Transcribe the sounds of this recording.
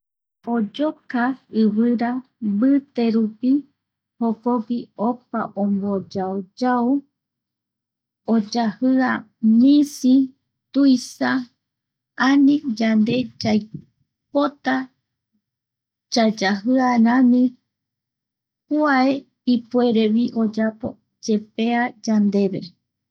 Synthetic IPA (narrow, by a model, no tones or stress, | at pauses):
od͡ʒokaɨβɨɾabɨt̪e̞ɾupi | hokopiopaʔõmbod͡ʒaod͡ʒao | od͡ʒahɨa | mĩsi | t̪ujsa | anĩd͡ʒand̪e̞d͡ʒaj | pot̪a | d͡ʒad͡ʒaɦɨanãnĩ | kuae | ipue̞ɾeβiʔo̞d͡ʒapo̞̰ | d͡ʒe̞pe̞ad͡ʒand̪e̞βḛ